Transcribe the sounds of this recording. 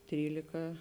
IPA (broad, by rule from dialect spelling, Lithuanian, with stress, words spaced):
ˈtʲrʲiːlʲɪkɐ